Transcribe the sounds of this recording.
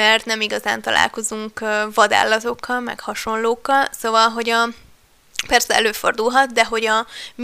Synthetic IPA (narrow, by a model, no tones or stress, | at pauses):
ɛrt̪nɛmiɡɒzaːnt̪ɒlʔa̰ːlko̞zuŋkvɒd̪a̰ːlːɒt̪o̞kːɒlmɛ̰khɒʃo̞nloːkːɒlso̞vɒlɦo̞ɟɒ | pɛrsɛɛløːfo̞rd̪ulɦɒt̪d̪ɛɦo̞ɟɒm